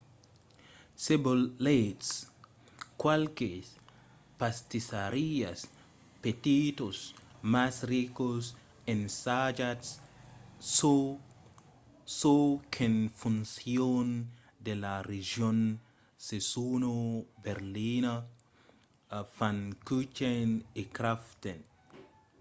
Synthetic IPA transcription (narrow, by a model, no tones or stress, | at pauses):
sebollets | kwalke | past̪isaɾias | pet̪it̪osmasrikos | ensad͡ʒats | sokʰenfunsjon | d̪elareʒjon | sesunobeɾlina | fankut͡ʃenikɾaft̪en